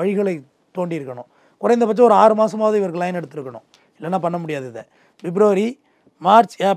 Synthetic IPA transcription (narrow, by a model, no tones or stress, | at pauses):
ɐɻɪɣɐɭɐɪ | t̪ːoːɳɖiɪɾɯkːɐɳʊ̰̃ | kʊɾɐɪnd̪ɐpɐt͡ʃːɐ̃ɔɾɯaːɾɯmaːsɐmaːðɐ̃ɪʋɐɾkɯlːãːjnɛɽɯt̪ːɯɾɯkːɐɳʊ̰̃ | ɪlːɐnːãːpɐɳːɐmʊɽɪjaːðɯðɛ̰ | ʋɪbɾoːɾi | maːɾt͡ʃa